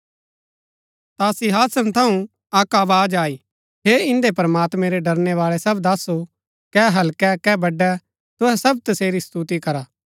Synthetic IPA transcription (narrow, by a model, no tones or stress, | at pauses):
t̪asiɦaːsənt̪ʰɐũ | ɐkaːʋaːd͡ʒaːi | ɦeɪ̃nd̪epɐɾɐmaːt̪mɛ̃ɾeɖɐɾneʋaːɭɛsɐbd̪aːso | kɛːɦɐlkɛkɛːbɐɖɛ | t̪ʊɦɛsɐb̚t̪ɐseːɾist̪ut̪ikɐɾaː